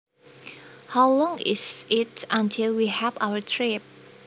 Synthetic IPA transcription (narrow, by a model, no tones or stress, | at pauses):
hawlɔ̃ŋɪ̰sɪtə̃ntʰɪlwihɛva̰wətʰɹip̚